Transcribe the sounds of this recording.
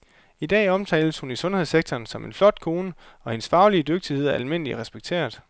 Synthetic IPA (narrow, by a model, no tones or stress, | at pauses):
id̥ɛ̰ːɒ̽mt͡sʰɛ̰ːɪləshunisɔ̽nhe̝ðˠseɡ̥̚t͡sʰɒːnsɒ̽me̝nflɒ̽d̥̚kʰo̝ːnəɒ̽he̝nsfɑ̈ʊliəd̥øɡ̥̚d̥ihe̝ð̞̰ˠæɐælme̝n̰əliʁɛsb̥eɡ̥̚t͡sʰe̝̰ːɐðˠ